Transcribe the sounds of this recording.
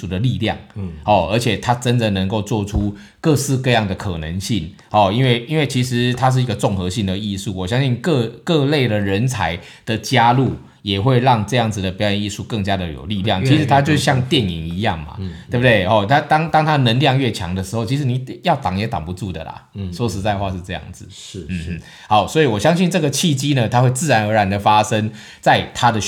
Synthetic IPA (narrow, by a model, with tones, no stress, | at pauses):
u˨˩d̪ə˩li˥˧ljɑ˥˨˩ŋhɔ˥˩ə˞˧˥t͡ɕʰjɛ˨˩t̪ʰa˦˥ʈ͡ʂə˦nd̪ə˨nə˧˥ŋko˥˧ʊt͡swɔ˥˧ʈ͡ʂʰu˦ | kɤ˥˧sɹ̩˥˧kɤ˥˧jɑ˥˩ŋd̪ə˩kʰɤ̰˨˩nə˧˦ŋɕi˥˩ŋ | hɔ˨˩i˥nwe˥˩ɪi˥nwe˥˩ɪt͡ɕʰi˧˥ʂɻ̩˧˦t̪ʰa˥ʂ̬ɻ̩˥˩i˧˥ɡə˨ʈ͡ʂʊ˥˩ŋxɤ˧˦ɕi˥˩ŋd̪ə˩i˥˧su˥˩wɔ˨˩ɕjɑ˥ŋɕi˥˧nkɤ˥˧kɤ˥˧le˥˩ɪd̪ə˨˩ɻə˧˦nt͡sʰa˧˥ɪ | d̪̥ə˨t͡ɕja˥lu˥˩ | jɛ˨˩xwe˥˧ɪɻɑ˥˧ŋʈ͡ʂɤ˥˧jɑ˥˩ŋd͡z̩˨˩d̪ə˩pjɑ˥ʊjə˧˥ni˥˧su˥˧kə˥˩ŋt͡ɕja˥d̪ə˨jo̰˨˩ʊli˥˧ljɑ˥˩ŋʰi˧˥ʂ̩˧˥t̪ʰa˥t͡ɕjo˥˧ʊʂ̩˥˩ɕjɑ˥˧ŋt̪jɛ˥˨˩nḭ˨˩ŋi˧˥jɑ˥˩ŋma̰˩t̪wo˥˩bə˩t̪we˥˩ɪhɔ˨˩t̪ʰa˥t̪ɑ˥ŋt̪ɑ˥ŋt̪ʰa˥nə˧˥nljɑ˥˧ŋɥɛ˥˩t͡ɕʰjɑ̰˧˥ŋd̪ə˨ʂɻ̩˧˥xo˥˩ʊt͡ɕʰi˧˥ʂ̬̩˧˥ni˨˩jɑ˥˩ʊt̪ɑ˨˩ŋjɛ˨˥t̪ɑ̰˨˩ŋpu˧˦t͡su˥˩d̪ə̰˩lɐ̰˩ʂwɔ˥ʂɻ̩˧˥t͡sa˥˧ɪxwa˥˧ʂɻ̩˥˧ʈ͡ʂɤ˥˧jɑ̰˥˩ŋd͡z̩˩ | n̩˩˥˩ | xa˧˥ʊswɔ˧˥i˨wɔ˨˩ɕjɑ˥ŋɕ̬i˥˧nʈ͡ʂɤ˥˩ɡə˩t͡ɕʰi˥˩t͡ɕi˥nə˨t̪ʰa˥xwe˥˧ɪt͡sɹ̩˥˩ɻa˧˥nə˧˥ɻa˨˧˥nd̪ə˨fa˥sə˦˥ŋ | t͡sa˥˧ɪt̪ʰa˥d̪ə˨